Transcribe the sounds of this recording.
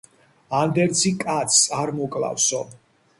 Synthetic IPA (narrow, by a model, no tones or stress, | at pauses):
and̪ɛɾt̪sʰikʼat̪sʰsaɾmɔkʼla̰fsɔ